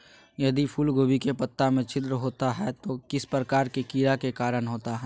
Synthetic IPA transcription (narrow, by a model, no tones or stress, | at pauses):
jɐd̪ipʰulɡoːbikepət̪ːamẽt͡ʃʰɪd̪ɾəɦoːt̪aɦɛt̪okɪspɾəkaːɾkekiːɾakekaːɾənɦoːt̪aɦɛː